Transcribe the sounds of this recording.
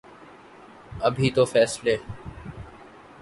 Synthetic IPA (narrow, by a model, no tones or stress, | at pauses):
əbʱiːt̪oːfɛːsleː